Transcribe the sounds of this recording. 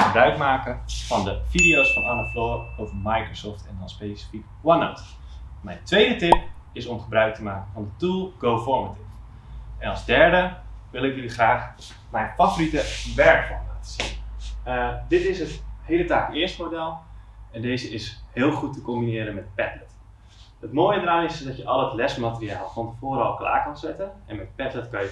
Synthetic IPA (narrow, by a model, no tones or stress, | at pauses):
əbrœɥkmaːkənfɑndəfidijowsfɑnanəfoːɹowvəmajkrosɔːftʰɛndɔnspesi̥fik | wano̰wt | mɛjntʋejdətɪpɪsɔmχəbrœɥk̚təmaːkənfɑndətulˠɡ̥owfɔɹmətɪf | ʔɛnɑlˠzdɛɹdəʋɪlˠɪkjəliχraːχ | mɛjnfavoritəʋɛɹkfɔnlaːtə̥siədɪtɪsɦəthejlətaːkɪəɹstmodɛlˠɛndeːzəɪshɪːlˠχutəkɔmbinɪːɾənmɛt̚pɛtlət | ətmoːjədəɾaːnɪsdɔtjəʔɔlˠətlɛsmatəriaːlˠfɑntəfoːɾɑlˠkla̰ːɹkɑnzɛtənɛnmɛt̚pɛtlətkɑjə